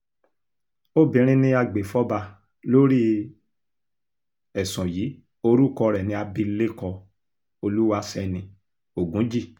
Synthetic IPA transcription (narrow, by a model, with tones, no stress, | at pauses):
o˦˨bĩ˨ɾ̃ĩ˦nĩ˧a˧ɡ͡be˨fɔ˦ba˧ | lo˦ɾi˦ | ɛ˨sɔ̃˨jiː˨˦ | o˧ɾu˦˨kɔ˧ɾɛ˨nĩ˧a˧bĩ˧˦le˦˨kɔ˧ | o˧lu˦wa˧sɛ˧nĩ˧ | o˨ɡũ˨˦d͡ʒi˦˨